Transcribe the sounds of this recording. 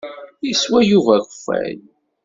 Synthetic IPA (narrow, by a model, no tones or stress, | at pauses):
iswæjuvæçfæ̰l